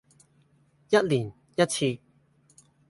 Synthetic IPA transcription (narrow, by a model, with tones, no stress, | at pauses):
jɐ˦˥t̚li˨˩n | jɐ˦˥t̚t͡ɕʰi˧